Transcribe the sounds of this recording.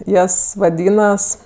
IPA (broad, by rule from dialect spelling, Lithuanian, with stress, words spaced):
ˈjɛs ʋɐˈdʲiːnɐs